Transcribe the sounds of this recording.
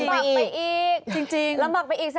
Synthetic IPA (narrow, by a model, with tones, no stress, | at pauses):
a˧˩˧jʔiː˨˩k̚t͡ɕi˧ŋt͡ɕi˧ŋla˧˦mbaː˨˩k̚pa˧jʔi˨˩k̚sa˧